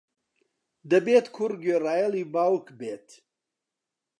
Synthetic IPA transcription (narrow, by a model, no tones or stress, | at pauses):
d̪ɐbeːt̪kʰuɾɡøraːjalibaːwkbeːt̪